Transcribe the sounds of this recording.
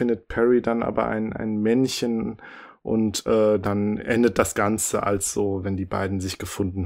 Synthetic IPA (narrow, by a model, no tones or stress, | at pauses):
ɪndət̚pʰɛʁidanʔa̰ːbɐ̰ʔa̰ɪnʔa̰ɪnmɛnçənʔʊ̰ntʔɛːdanʔɛndət̚d̥asɡ̥ant͡səʔa̰lsz̥oːvɛndiːba̰ɪdn̩zɪçɡ̥əfʊndn̩